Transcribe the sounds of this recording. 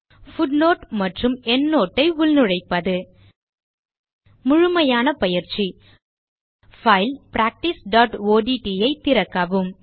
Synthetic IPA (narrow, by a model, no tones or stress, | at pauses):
fʊɖnoːʈmɐʈrɯmɛnːoːʈːɐɪʊlnɯɻɐɪpːɐðɯ | mʊɻʊmɐjaːnɐpɐjɪɾt͡ʃi | fɐɪlpɾaːk̚ʈɪsɖaːʈoːɖiʈijɐɪt̪ːɪɾɐkːɐʋɯm